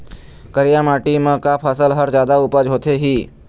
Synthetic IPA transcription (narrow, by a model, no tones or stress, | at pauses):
kəɾijamaːʈimə̃kapʰəsəlɦəɾd͡ʒjaːd̪aʊpəd͡ʒɦoːt̪eɦiː